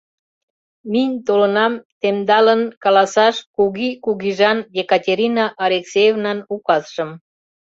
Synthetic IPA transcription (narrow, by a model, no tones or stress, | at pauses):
minʲt̪olənɑmt̪emd̪ɑlənkɑlɑsɑʃkuɣikuɣiʒɑnjekɑtʲeɾʲinɑʔːlʲeksejevnɑnukɑsʃəm